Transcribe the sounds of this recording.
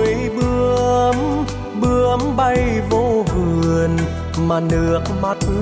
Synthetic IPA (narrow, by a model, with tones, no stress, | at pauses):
jɓɨ˧əm | ɓɨ˧əmɓa˧jvo˧vɨ˨˧˩əən | maː˨˩nɨ˧˨˩ək̚ma˨˩t̚